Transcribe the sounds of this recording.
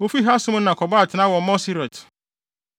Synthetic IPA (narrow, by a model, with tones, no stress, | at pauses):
o˦fi˦ɦa˦sʊ̃˦m˦nã˨kʰɔ˨ba˦˨tʰɪ˨nã˦wɔ̃˨˦mɔ̃˦si˦ɾɔ˨t